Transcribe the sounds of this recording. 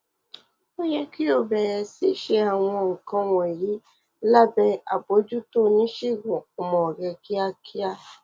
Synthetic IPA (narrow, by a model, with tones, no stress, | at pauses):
o˦jɛ˦ki˦o˦˨bɛ˨ɾɛ˨si˦ʃe˧a˨w̃ɔ̃˧o˨kɔ̃˧wɔ̃˨e˨ji˨˦ | la˦bɛ˧a˨bo˨˦d͡ʒu˦to˦˨nĩ˦ʃi˦˨ɡũ˨ɔ˨mɔ̃˨ɡɛ˧ki˦a˧kʰi˦a˦˨